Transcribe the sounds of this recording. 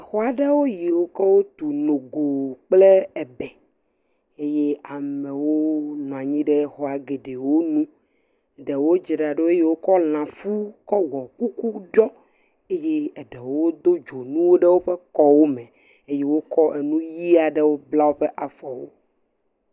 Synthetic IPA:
e˨xɔ˦a˨ɖe˦wo˦ji˨wo˦kɔ˦wo˦t̪u˨no˨ɡo˨k͡ple˦ɛ˨bɛ˨ | e˦je˦a˨mẽ˨wo˦nɔ̃˨a˨ɲĩ˦ɖe˦xɔ˨a˨ɡe˨ɖe˨wo˦nũ˦˨ | ɖe˨wo˦d͡ʒe˨ɖa˨ɖe˦e˦je˦wo˦kɔ˦l̃ã˨fu˦kɔ˦wɔ˨ku˦ku˦ɖɔ˦ | e˦je˦e˨ɖɛ˨wo˦d̪o˦d͡ʒo˨nũ˦wo˦ɖe˦wo˦ɸe˦kɔ˦wo˦me˨ | e˦je˦wo˦kɔ˦ʔe˨nũ˦ji˦a˨ɖe˦wo˦bla˦wo˦ɸe˦ʔa˨fɔ˨wo̰˦

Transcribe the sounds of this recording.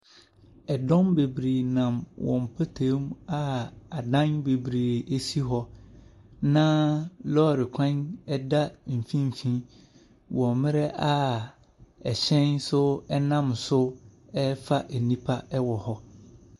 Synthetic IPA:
ɛ˨dɔ̃˦mbe˨bɾi˨nã˨mwʔɔ̰̃˨m˨pʰa˦tʰẽː˨˦ma˦a˨dã˦nbe˨bɾiː˨e˦si˦ɦɔ˦ | nã˦lɔ˦˨ɾɪ˨kʷʰã˦nɛ˦da˦m̩˨fĩ˦m̩˨fĩ˦ | wɔ̃˨mɪ̃˦ɾɛ˦ʔa˦ | ɛ˨ɕɛ̃˦nsʊ˦ɛ˦nã˦msʊ˦ɛ˦fa˦ʔe˨nĩ˦pʰa˦ɛ˦wɔ˨hɔ˦

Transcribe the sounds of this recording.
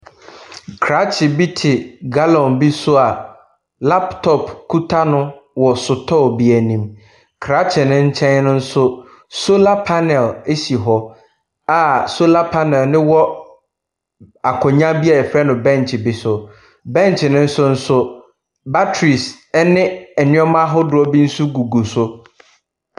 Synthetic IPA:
kʰɾa˦t͡ɕʰɪ˨bi˦tʰɪ˨ɡa˦lɔ̃˨nbi˦sʊ˦a˨ | la˦ptʰɔ˨pkʰu˦tʰa˦nʊ̃˦wɔ˨sʊ˨tʰɔ˦˨bi˨æ˨nĩ˨m | kʰɾa˦t͡ɕʰɪ˨nʊ̃˦ɲ̩˦t͡ɕʰɛ̃˦nnʊ̃˦n̩˦sʊ˦ | so˦la˦pʰa˦nɛ˨le˦ɕi˨ɦɔ˦ | a˨so˦la˦pʰa˦nɛ˨lnɪ̃˦wɔ˦ | a˨kʰɔ̃˨ɲã˦bi˦a˨fɾɛ˦nʊ̃˨bɛ̃˦˨ntʰɪ˨bɪ˨sʊ˨ | bɛ̃˦ntʰɪ˨nʊ̃˦n̩˦sʊ˦n̩˦sʊ˦ | ba˦tʰɾi˨s | ɛ˦nɪ̃˦ɛ˨nɪ̃˦ɔ˦mã˦ɦɔ˦dʊ˨ɔ˦bi˦n̩˦su˦ɡu˨ɡu˨sʊ˦

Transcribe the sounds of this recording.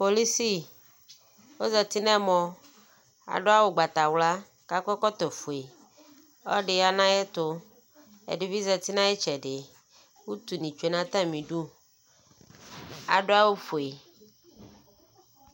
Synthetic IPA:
po˨li˦si˦ | wo˦zɛ˨t̪i˦nɛ̃˦mɔ̃˨ | a̰˨ɖʊ˦a˦wo˨ɡ͡ba˨t̪a˨wla˦ | ka˦kɛ˦kɔ˦t̪ɔ˨fo˨e˨ | ɔ˦ɖɪ˨ja˦nã˦je˦t̪ʊ˦ | ḛ˨ɖi˨vi˦zɛ˨t̪i˦nã˦e˦t͡ʃɛ˨ɖɪ˨ | wu˦t̪u˨nĩ˨t͡ʃu˨e˨˦nã˦t̪ã˦˨mĩ˨ɖu˦ | a̰˨ɖʊ˦a˦wo˦fo˨e˨

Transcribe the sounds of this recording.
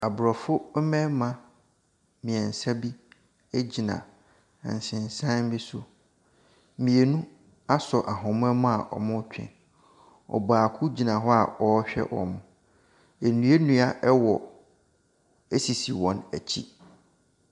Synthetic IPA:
a˨bʊ˨ɾɔ˨fʊ˦mɛ̃˦mã˨ | mĩ˨ɛ˨n̩˨sa˦bi˦ | e˦d͡ʑi˨nã̰˨ | n̩˨sɪ̃˨n˨sã˦m˦bi˦sʊ˦ | mĩ˨e˨nũ˦ | a˦sɔ˨ʔa˨ɦʊ̃˨mʊ̃˦ɛ˦mʊ̃˦a˨ʔɔ̰˨mʊ̃˦t͡ɕᶣʰɛ̰̃˨ | ɔ̰˨baː˨kʰʊ˦d͡ʑi˨nã˨ɦɔ˦a˨ɔ˨˦ɕᶣɛ̰˦ʔɔ̰˨mʊ̃˨ | e˨nũ˨˦e˦nũ˦a˦ʔɛ˦wɔ˨ | e˦si˨si˨wɔ̃˨næ˨t͡ɕʰḭ˦

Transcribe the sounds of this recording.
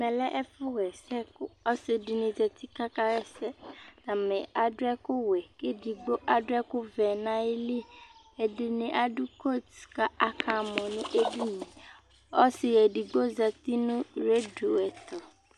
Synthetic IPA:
mɛ̃˨lɛ˦ʔɛ˦fʊ˦ɣɛ˨sɛ˦kʊ˦ɔ˦sɪ˨di˨nɪ̃˨tɛ˨t̪i˦ka˦ka˦ɣɛ˦sɛ˦nã˨mɛ̃˨a˨dʊ˦ɛ˦kʊ˦wɛ˨ke˦di˨ɡ͡bo˦ʔa˦dʊ˦ɛ˦kʊ˦vɛ˨nã˦e˦li˦ | e˨dɪ˨nɪ̃˨ʔa˨dʊ˦ko˦˨tka˦ʔa˦kʰa˨mɔ̃˨nʊ̃˦ʔe˦bi˦ɲĩ˨ | ɔ̰˦sɪ˨jɛ˨di˨ɡ͡bo˦za˨t̪i˦nʊ̃˦ɾe˦du˨wɛ˨t̪ʰɔ˨

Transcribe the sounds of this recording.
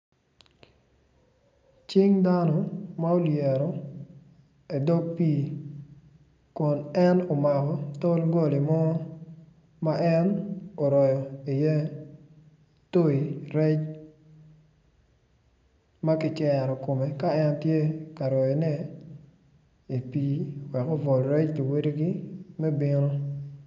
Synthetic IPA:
t͡ʃɪ˦ŋda˦nɔ˨ma˦o˦ljɛ˨ɾɔ˨ | e˨do˦ɡ̚piː˦ | kʊ˨nɛ˦no˨ma˨kɔ˨to˦lɡo˦˨li˨mɔ˦ | ma˦ʔɛ˦no˨ɾɔ˨jɔ˨i˨jɛ˦ | to˦i˨ɾɛ˦t͡ʃ | ma˦kɪ˨t͡ʃɛ˨ɾɔ˨ko˨me˨ka˦ɛ˦ntje˦ka˨ɾɔ˨jɔ˨nɛ˦ | i˨piː˦wɛ˨ko˦vɔ˨lɾɛ˦t͡ʃki˨we˦ɾe˦ɡi˦mɛ˦bɪ˦no˦

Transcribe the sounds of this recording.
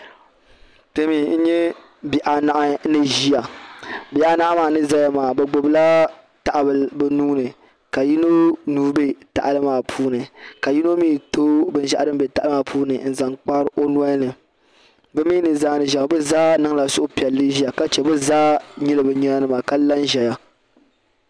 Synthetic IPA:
te˦miː˨˦n̩˦ɲɛ˦ | bi˨ʔa˨na˨ʔa˦nɨ˦ʒi˦ja˨bi˨ʔa˦na˦ʔa˦maː˨nɨ˦za˦ja˦maː˨bɛ˨ɡ͡bo˨bla˦ | ta˨ʔa˨bɨ˨lbɛ˦nuː˦nɨ˨ | ka˨ji˦no˦nuː˦be˦ta̰˨ʔa˨lɨ˦maː˨pʰuː˦nɨ˨ka˨ji˦no˦miː˦tʰo˦bɨ˨n˦ʒa˦ʔa˦dɨ˦m˦bɛ˨ta˨ʔma˨pʰuː˦nɨ˨n̩˨za˨ŋk͡pa˦ɾʔo˦n˦a˦nɨ˨ | bɨ˦miː˦nɨ˨zaː˦nɨ˨ʒa˨˦bɨ˦zaː˦nɨ˦ŋ˦la˨sʊ˦ʔʊ˦pi˨ɛ˨lːɨ˦ʒi˦a˨ka˦t͡ʃɛ˨bɨ˦zaː˦ɲi˦lɨ˦bɨ˨ɲɛ˦a˦nɨ˦ma˨ka˦la˦nʒɛ˨ja˦

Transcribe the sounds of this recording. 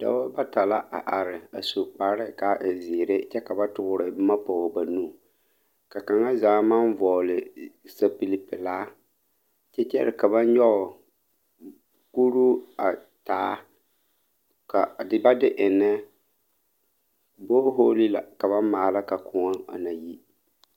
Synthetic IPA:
d̥a̰˦ba˦ba˦ta˨la˦ʔa̰˨ʔa˨ɾɪ˨a˨su˨k͡pa˨˦ɾɪ˦ka˨ʔɪ˨zi˨ɾe˦t͡ʃɛ˦ka˨ba˦tʊ˦ɣʊ˦ɾɪ˨˦ma˦pɔ˨ɣba˨nu˦˨ | ka˨ka˨ŋa˦zaː˨˦ma˦nvɔː˨lɪ˨sa˨pi˨li˨pɪ˨laː˦ | t͡ʃɛ˦t͡ʃɛ˦ɾɪ˨ka˨ba˦n˦jɔ˦ɣʊ˨ | ku˦ɾu˦a˨ | taː˨˦ | ka˨dɪ˨ba˦dɪ˦ʔɪ˨nːɛ˦ | bo˦ɦoː˦li˦la̰˨ka˨βa˦nmaː˨la˦ka˨kʰʊ˨a˦ŋa̰˨na˨ji˦

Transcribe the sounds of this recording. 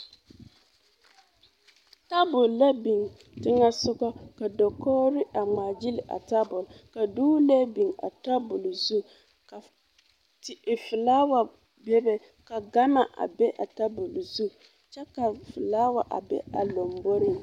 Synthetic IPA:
ta˦bʊ˨lːa˦bi˨ŋ | tɪ˦ŋa˦sʊ˦ɡa˦ka˨dɔ˨kɔː˦ɾɪ˦ʔa˨ŋ͡ma˨d͡ʒɪ˦lɪ˨ʔa̰˨ta˦bʊ˨lka˨duː˦le˦bi˨ŋa̰˨ta˦bʊ˨lzu˦ | ka˨ | tɪ˨fɪ˨laː˦wa˨ | bɛ˦bɛ˨ | ka˨ɡa˦ma˨ʔa̰˨bɛ˦ʔa˨ta˦bʊ˨lzu˦ | t͡ʃɛ˦ka˨fɪ˨laː˦wa˨ʔa̰˨bɛ̰˦a̰˨lo˨mbo˦ɾɪ˦m

